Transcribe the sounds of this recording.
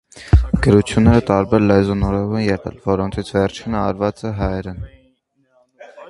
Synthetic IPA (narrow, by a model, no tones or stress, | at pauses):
ɡ̥əɾut͡sʰjunːɛɾət̪ɑɾbɛɾlɛzɔnɔɾɛɾuɛnjɛʁɛ̰lvɔɾɔnt͡sʰit͡sʰvɛɾt͡ʃʰinəɑɾvɑt͡sɛɦɑjɛɾə